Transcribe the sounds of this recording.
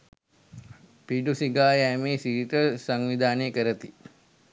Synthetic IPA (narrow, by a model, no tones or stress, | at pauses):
piɖusiɡaːjæmeːsiɾiʈəsaŋʋid̪aːneːkəɾət̪i